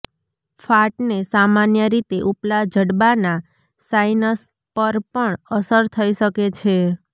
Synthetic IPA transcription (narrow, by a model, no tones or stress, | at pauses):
fʰaʈnesamanjəɾit̪eʔuplad͡ʒʱəɽbana | sainəs | pəɾpəɳəsəɾt̪ʰəiʃəket͡ʃʰe